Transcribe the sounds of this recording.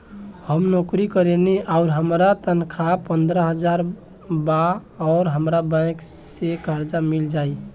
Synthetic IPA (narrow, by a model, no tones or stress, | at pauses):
həmnokɾikəɾeniʔaʊɾɦəmɾat̪ənkʰapənd̪ɾəɦəd͡ʒaɾ | baɔʊɾɦəmɾabãj̃ksekaɾd͡ʒamild͡ʒaj